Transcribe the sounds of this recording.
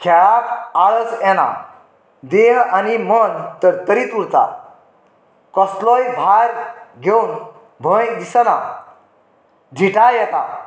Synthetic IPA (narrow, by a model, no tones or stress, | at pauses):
kʰɛɭakaɭəd͡zɛna̰ | d̪eɦanimənt̪əɾt̪əɾit̪uɾt̪a̰ | kɔslɔjbʱaɾɡʱeun | bʱə̃jd̪isəna | ɖʱiʈajɛt̪a̰